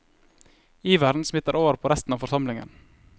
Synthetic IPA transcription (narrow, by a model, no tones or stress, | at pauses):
iːʋæɾd̪n̩smɪt̪əɾʔoːʋəɾpʰoːɾɛst̪n̩ɑːʋfɔɾsɑmlɪŋə̰n